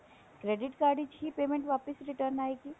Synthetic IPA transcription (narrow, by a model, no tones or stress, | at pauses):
kɾeːɖɪʈkaːɾɖid͡ʒipeːmẽɳʈʋaːpɪsɾɪʈəɾnaːeɡi